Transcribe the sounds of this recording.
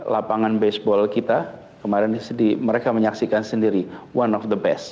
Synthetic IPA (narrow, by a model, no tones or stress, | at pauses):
lapaŋanbesbɔlkit̪a | kəmaɾɛnsədiməɾekaməɲaksikansəndiɾiwanɔfd̪əbɛst